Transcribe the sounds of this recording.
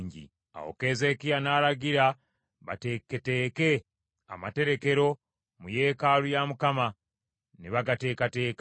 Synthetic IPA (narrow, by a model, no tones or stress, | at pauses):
ɲɟḭ | a̰wo̰ke̞ːze̞ːkijanaːlaɡiɾa | βa̰tekete̞ːke̞ | a̰mate̞ɾe̞ke̞ɾo̞ | muje̞ːkaːlujamukama | neβaɡate̞ːkate̞ːka